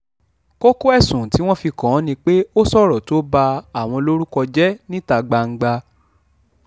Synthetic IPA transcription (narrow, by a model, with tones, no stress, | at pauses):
ko˦ko˦ɛ˦˨sũ˨ti˨˦w̃ɔ̃˦fi˧kɔ̃˨˦nĩ˧k͡pe˦o˦sɔ˦˨ɾɔ˨to˦ba˧a˨w̃ɔ̃˧lo˦ɾu˦kɔ˧d͡ʒɛ˦nĩ˦ta˧ɡ͡ba˧ŋ̩˦ɡ͡ba˧